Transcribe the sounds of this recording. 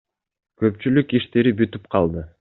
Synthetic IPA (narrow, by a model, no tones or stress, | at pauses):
kø̞pt͡ʃylykiʃt̪e̞ɾibyt̪yp̚qʰɑlˠd̪ɯ